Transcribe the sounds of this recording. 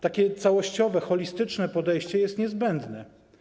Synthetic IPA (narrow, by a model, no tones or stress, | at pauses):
t̪akʲɛt̪sawɔɕt͡ɕɔvɛxɔlʲist̪ɘt͡ʂnɛpɔd̪ɛjɕt͡ɕɛjɛst̪ɲɛzbɛnd̪nɛ